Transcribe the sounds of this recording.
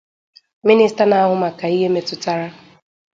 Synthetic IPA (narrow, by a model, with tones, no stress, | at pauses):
mi˦ni˦sta˦na˨a˦ɦʊ˦ma˨ka˨i˦ɦe˦me˦tʊ˦ta˦ɾa˦